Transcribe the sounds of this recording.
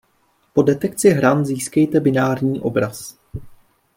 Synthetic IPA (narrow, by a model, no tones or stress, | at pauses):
po̞dɛt̪ɛk̚t͡sɪɦɾanziːskɛjt̪ɛbɪnaːɾɲiːʔobɾas